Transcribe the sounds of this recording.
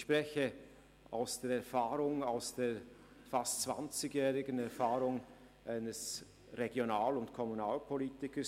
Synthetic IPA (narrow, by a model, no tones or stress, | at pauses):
ʃpʁ̥ɛçə | a̰ʊsd̥eːɐɛɐfaːʁʊŋaʊsd̥eːɐ | fastt͡sv̥a̰nt͡sɪɡjɛːʁɪɡənɛɐfaːʁʊŋ | ʔaɪnəs | ʁeɡjonaːlʊntkʰɔmunaːlpʰoliːtɪkəs